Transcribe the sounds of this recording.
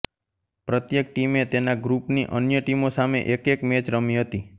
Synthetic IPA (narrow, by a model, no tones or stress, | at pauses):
pɾət̪jek̚ʈimet̪enaɡɾupniʔənjəʈimosamḛʔekekmet͡ʃɾəmiɦət̪i